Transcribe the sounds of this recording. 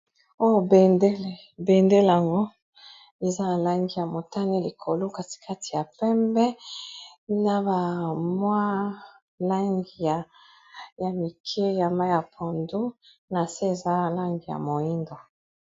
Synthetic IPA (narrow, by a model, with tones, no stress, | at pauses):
o˦jo˨be˨nde˦le˨ | be˨nde˦le˨a˨ŋɡo˦ | e˨za˦a˨la˦ŋɡi˨ja˨mo˨ta˦ne˦li˨kʰo˨lo˦ka˦ti̥˨kʰa˦ti˨ja˨pɛ˦mbɛ˦ | na˦ba˨mwa˦ | la˦ŋɡi˨ja˨ | ja˨mi˨kʰe˦ja˨ma˦ja˨pʰɔ˨ndu˦ | na˨se˦e˨za˦˨la˦ŋɡi˨ja̰˨mo˨i˦ndo˨